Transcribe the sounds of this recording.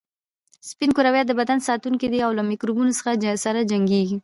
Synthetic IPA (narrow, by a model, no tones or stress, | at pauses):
spinkʊɾawjɑt̪̚d̪əbad̪ansɑt̪uŋkid̪eawlamikɾubunosə̥xasaɾad͡ʒaŋɡeɡi